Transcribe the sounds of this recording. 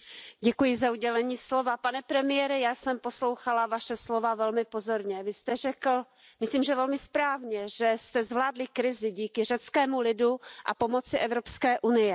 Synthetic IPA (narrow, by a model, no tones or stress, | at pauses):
ɟɛkujɪzauɟɛlɛɲiːslo̞vapanɛpɾɛmɪjɛɾɪjaːsɛmpo̞slo̞wxalavaʃɛslo̞vavɛlmɪpo̞zo̞ɾɲɛvɪst̪ɛrɛkl̩ | mɪsliːmʒɛvɛlmɪspɾaːvɲɛʒɛst̪ɛzvlaːdlɪkɾɪzɪɟiːkɪr̝ɛt͡skɛːmulɪduʔa̰po̞mo̞t͡sɪʔɛvɾo̞pskɛːʔunɪjɛ